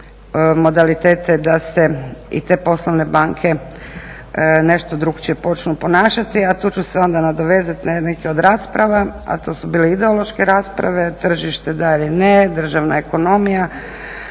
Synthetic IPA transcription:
mo̞d̪alit̪e̞ːt̪ed̪aseḭt̪e̞ːpo̞slˠoʋne̞baŋkʰe̞ | ne̞ʃt̪o̞d̪ɾuɡt͡ɕepo̞t͡ʃnupo̞naːʃat̪iat̪uːt͡ʃuseo̞nd̪anad̪oʋe̞ːzat̪nekeo̞d̪ɾaːspɾaʋaa̰t̪o̞ːsubiːleid̪eo̞lˠo̞ʃkeɾaːspɾa̰ʋe̞t̪r̩ʒiʃt̪ed̪ailined̪r̩ʒaʋnaeko̞no̞mija

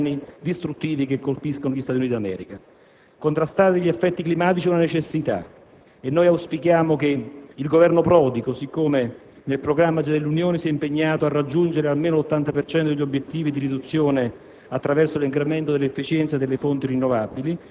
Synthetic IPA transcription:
nid̪ist̪ɾut̪ːiːvikekːolpiskonoʎist̪at̪junit̪id̪amɛ̰ːɾika | kont̪ɾast̪aːɾiʎːiefːɛt̪ːiklimaːt̪̬it͡ʃiunanet͡ʃesːit̪a̰ | enːojawspikjaːmokeilɡovɛrnopɾɔːd̪ikosikːome | nelpɾoɡɾamːad͡ʒad̪elːunjoːnesiɛimpeɲːaːt̪oarːad͡ʒːund͡ʒeɾealmeːnolot̪ːant̪apert͡ʃɛnt̪od̪eʎiobːjet̪ːiːvid̪iɾid̪ut̪sːjoːne | at̪ːɾavɛrsoliŋkɾement̪od̪elːefːit͡ʃɛnt̪sad̪elːefont̪irinːovabili

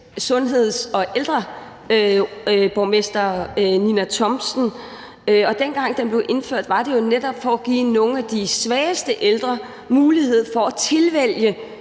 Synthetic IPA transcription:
sɔ̽nɦe̝ð̞̰ˠsɒ̽ʔeld̥ʁɐ | b̥ɒʊmesd̥ɐninæt͡sʰɒ̽msn̩ | ɒ̽d̥enɡ̥ɑ̈ŋ̰d̥enb̥le̝ʊʔe̝nføɐ̰d̥ʋɑ̈d̥e̝jo̝ned̥ɒb̥fɒ̽æɡ̥ḭːno̝ːŋ̩æd̥isʋɛːsd̥əʔeld̥ʁɐ | muːlihe̝ð̞̰ˠfɒ̽æt͡sʰe̝lʋel̰jə

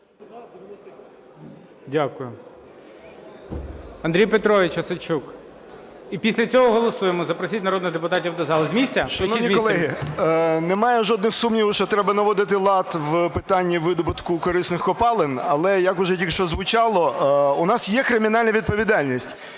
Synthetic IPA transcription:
dʲakʊjʊ | ɐnd̪ɾʲijpet̪ɾɔʋʲɪt͡ʃɐsɐt͡ʃuk | ipʲisʲlʲɐt͡sʲɔɦɔɦɔlˠɔsujemɔzɐpɾɔsʲitʲnɐɾɔd̪nɪɣd̪epʊt̪ɑtʲiwd̪ɐzɑlˠzmʲisʲt͡sʲːɐʃɐnɔnʲikɔlˠɛɦɪ | nɛmɑjɛʒɔd̪̚nɪxsumnʲiwʃt͡ʃɔt̪ɾɛbɐnɐʋɔd̪ɪt̪̬ɪlˠɑt̪ʋpɪt̪ɑnʲːiʋɪd̪ɔbʊt̪kʊkɔɾɪsnɪxkɔpɑlˠɪnɐlˠɛjɐkʊʒɛtʲikʃt͡ʃɔzʋʊt͡ʃɑlˠɔʊnɑsjɛkɾɪmʲinɑlʲnɐʋʲid̪̚pɔʋʲid̪ɑlʲnʲisʲtʲ

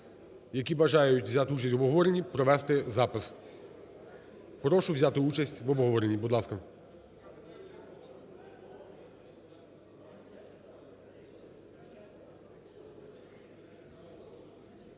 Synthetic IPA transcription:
jɐkʲibɐʒɑjʊtʲʋzʲat̪ɪut͡ʃɐsʲtʲʋɔbɦɔʋɔɾenʲːipɾɔʋɛst̪ɪzɑpɪs | pɾɔʃʊʋzʲat̪ɪut͡ʃɐsʲtʲʋɔbɦɔʋɔɾenʲːibud̪lˠɑskɐ

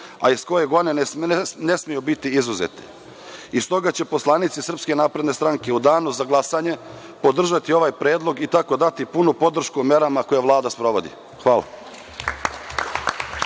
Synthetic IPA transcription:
a̰isko̞je̞ɡo̞d̪nene̞smijubit̪iizuzḛt̪i̥̰ | ist̪o̞ɡat͡ɕe̞po̞slˠanit̪sisr̩pske̞naːpɾe̞d̪nest̪ɾaŋke̞ud̪aːnuzaɡlˠasaɲe̞ | po̞d̪r̩ʒat̪io̞ʋajpɾeːd̪lˠo̞ɡit̪ako̞d̪at̪ipunupo̞d̪r̩ʃkumje̞ɾamako̞jaʋlˠaːd̪aspɾo̞ʋo̞d̪ḭ | xʋaːla̰

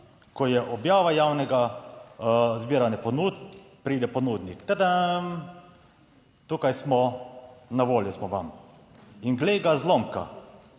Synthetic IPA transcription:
kɔjɛʔɔbjaːʋajaːwnɛɡa | zbiːɾanɛpɔnuːt̪ | pɾiːd̪ɛpɔnuːd̪nikt̪ɛd̪a | t̪ukajsmɔ | naʋoːljɛsmɔʋam | inɡleːɡazlomka̰

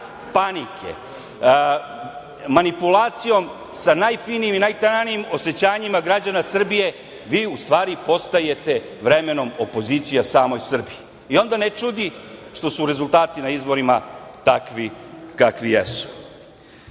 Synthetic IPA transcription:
panikʰḛ | manipulˠaːt̪sijo̞m | sanaːjfiːnijiminajt̪ananijimo̞se̞t͡ɕaːɲimaɡɾad͡ʑanasr̩bije̞ | ʋiːust̪ʋaːɾipo̞st̪aje̞t̪e̞ | ʋɾe̞me̞no̞mo̞po̞ziːt̪sijasaːmo̞jsr̩biiː | o̞nd̪anet͡ʃud̪iʃt̪o̞suɾe̞zulˠt̪aːt̪inaizbo̞ɾimat̪akʋikakʋijḛsu̥

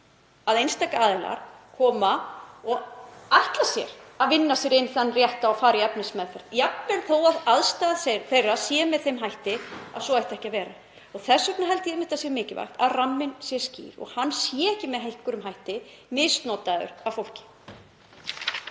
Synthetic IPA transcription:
aðejnst̪aːkaaːðɪla̰ɾ̥kʰɔːmaɔɣaht̪lasjɛ̰ɾaðvɪnːasjɛɾɪnθanːrjɛht̪aɔfaːɾɪɛpnɪsmɛðfɛɾ̥t̪jakmɛnθowaðaðst̪aːðsθejrːasjɛːmɛðθejmɦajht̪ɪa̰sɔajht̪ɛhcavɛːɾa | ɔɣθɛsːœknaɦɛlt̪ɪɛmɪht̪asjɛɾmɪːcɪva̰jxt̪aðramːɪnsjɛscḭːɾɔ̰ɣhanːsjɛɛhcɪmɛðɦejhkʏɾʏmɦajht̪ɪ | mɪðst̪nɔːt̪aðʏ̰ɾavfowl̥cɪ̥

